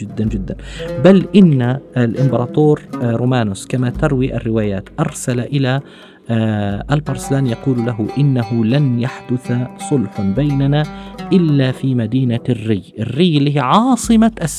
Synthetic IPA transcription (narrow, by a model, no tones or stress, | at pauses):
ɪd̪ːand͡ʒɪd̪ːanbalʔɪnːalʔɪmbɑɾˤɑːt̪oːɾɾuːmaːnʊskamat̪ɑɾˤwiʔa̰rːɪwaːjaːt̪ʔɑɾˤsalaʔɪla | ʔalbɑɾˤsɪlaːnjɑquːllaɦʊʔɪnːaɦʊlanjaħd̪ʊθasˤʊlħanbajnanaʔɪlːafiːmad̪iːnarːɪːʔɪrːiːɪlːiːɦiʕɑːsˤɨmaʔs